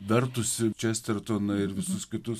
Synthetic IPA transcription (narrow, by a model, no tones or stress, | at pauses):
d̪ʲɐɾt̪ʊsʲɪt͡ʃʲɛsʲt̪ʲɛɾt̪onɐɪɾʋʲɪsʊskʲɪt̪ʊs